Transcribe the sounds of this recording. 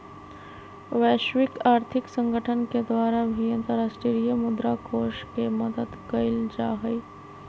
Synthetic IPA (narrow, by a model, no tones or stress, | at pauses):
ʋɛːʃwɪkaːɾt̪ʰɪksə̃ŋɡəʈʰənked̪waːɾabʱiə̃nt̪əɾaːsʈɾiɾijəmʊd̪ɾakoːʃkeməd̪əd̪kəɪld͡ʒaːɦəi